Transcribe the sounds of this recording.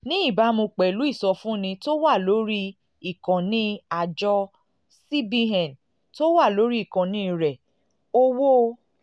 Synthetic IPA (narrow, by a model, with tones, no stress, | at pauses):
nĩ˦i˦˨ba˨˧˦mũ˧k͡pɛ˨lu˨˦i˦˨sɔ˧fũ˦˨nĩ˧to˦wa˦˨lo˨˦ɾi˦ | i˦˨kã˨nĩ˦a˨d͡ʒɔ˧ | si˦bi˧ɦɛ̃˨n | to˦wa˦˨lo˨˦ɾi˦i˦˨kɔ̃˨nĩ˦˨ɾɛ˨ | o˦wo˦˧